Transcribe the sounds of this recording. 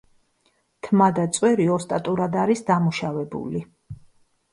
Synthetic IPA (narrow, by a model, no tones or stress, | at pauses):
t̪ʰmad̪at̪sʼwɛɾiɔst̪ʼat̪ʼuɾad̪aɾisd̪amuʃavɛbṵli